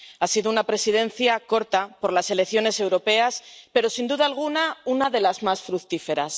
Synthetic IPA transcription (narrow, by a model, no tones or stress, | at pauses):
asiðounapɾe̞sið̞ẽ̞nθjako̞ɾt̪apo̞ɾlase̞lekθjo̞ne̞se̞wɾo̞pe̞aspe̞ɾo̞sind̪uðaːlɣ̞unaunaðe̞lazmasfɾukt̪ife̞ɾas